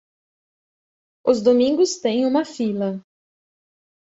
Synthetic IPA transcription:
ʊzd̪omĩŋɡʊst̪ẽj̃ũmɐfilɐ

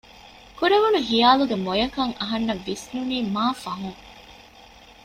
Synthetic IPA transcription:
kuɾeʋunuɦijaːluɡemojɐkɐŋɐɦɐnːɐʋːisnuniːmaːfɐɦuŋ

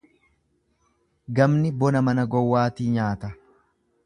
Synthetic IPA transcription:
ɡɐmnɪbɔnɐmɐnɐɡɔwːaːt̪iːɲaːt̪ɐ

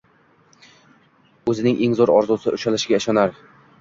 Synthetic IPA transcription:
ɵzɪnɪŋʔeŋzoɾɒ̰ɾzusɪʔʊʃalɪʃɪɡʲaɪʃɒnaɾ

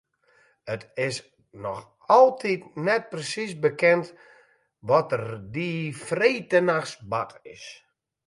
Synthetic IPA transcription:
ətɪs | nɔx | ɔlˠtʰitnɛt̚prəsisbəkɛnt | ʋɔtərdifreːtənaxsbatɪ̰s

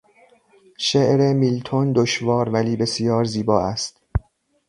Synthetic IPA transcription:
ʃeʔɾemiːlt̪ʰond̪oʃvɒːɾvæliːbe̞sjɒːɾziːbɒːæst̪

